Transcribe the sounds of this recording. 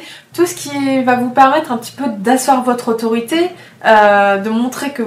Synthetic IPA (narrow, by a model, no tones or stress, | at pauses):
t̪usə̥kʲivavupɛʁmɛt̪χɛ̃pə̥t̪i̥pød̪aswaʁvɔt̪χot̪ɔʁit̪e | ød̪əmɔ̃t̪χekə